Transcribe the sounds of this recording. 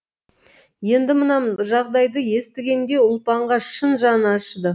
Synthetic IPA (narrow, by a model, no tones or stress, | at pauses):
je̞nd̪ɪmənɑʒɑʁd̪ɑjd̪əje̞st̪ɪɡʲe̞nd̪e̞ʊlˠpɑɴʁɑʃənʒɑnəɑʃd̪ə